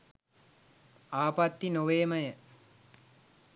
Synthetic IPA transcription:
aːpat̪ːinoʋeːməjə

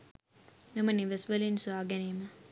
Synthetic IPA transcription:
meməniʋesʋəlinsuaːɡɛneːmə

